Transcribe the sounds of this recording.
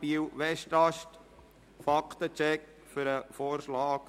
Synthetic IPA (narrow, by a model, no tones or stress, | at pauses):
iwʋɛʃtɑʃt | fɑkt̪ət͡ʃɛk | fʏɾəfoːɾʃlɑːk